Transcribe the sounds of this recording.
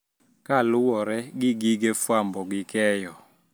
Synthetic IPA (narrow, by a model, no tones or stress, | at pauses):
kalʊwɔɾɛɡɪɡiɡefwambɔɡɪkɛjɔ